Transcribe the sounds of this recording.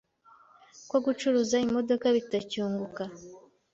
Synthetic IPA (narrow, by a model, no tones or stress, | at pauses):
kwoɡut͡ʃuɾuzaimo̞do̞kaβitacuːŋɡuka